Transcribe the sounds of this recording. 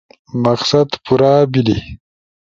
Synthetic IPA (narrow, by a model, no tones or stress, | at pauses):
maqsad̪puɾaːbilḭ